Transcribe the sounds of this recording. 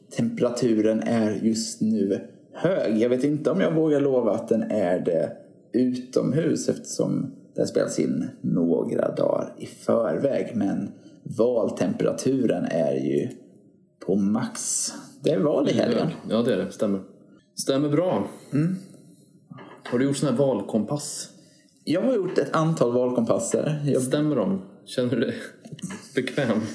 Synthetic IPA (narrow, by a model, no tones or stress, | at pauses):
t̪ʰɛmpəɾat̪ʰʉ̟ːɾənæɾjɵst̪nʉ̟ː | høːɡjɑɡveːt̪ɪnt̪əɔmjɑːɡvoːɡaɭoːvaːt̪̚d̪ɛnæɖɛ | ʉ̟ːt̪ɔ̰mɦʉ̟ːsɛft̪ə̥ʂɔ̰md̪̥ɛhaspeːlasɪ̰nːoːɡɾa̰d̪ɑ̰ːɾɪfœːɾvɛːɡmɛnvɑːlt̪ʰɛmpəɾa̰t̪ʰʉ̟ːɾənæɾjɵ̰ | pʰɔmaksd̪ɛævɑːnɪhɛljə̰njɑːd̪ɛæɖɛst̪ɛmːəɾ | st̪ɛmːəɾbɾɑːm̩ː | haɖɵjʊʈːsɔnæːɾvɑːlkʰɔmpʰas | jɑːɡɦhaɾjʊʈːɛt̪ʰant̪ʰɑːlvɑːlkʰɔmpʰasːəɾjɑst̪ɛmːəɖɔmɕɛnːəɖɛ | bɛkʰvɛːm